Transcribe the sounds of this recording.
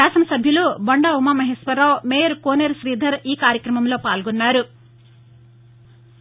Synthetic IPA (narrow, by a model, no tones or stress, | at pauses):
aːsɐnɐsɐbʱjɐlubɐɳɖaːumaːmɐɦesʋɐɾaːwmeːjɐɾkoːneːɾʃɾiːd̪ʱɐɾiːkaːɾjɐkɾɐmɐmlo̞ːpaːlɡɔnːaːɾu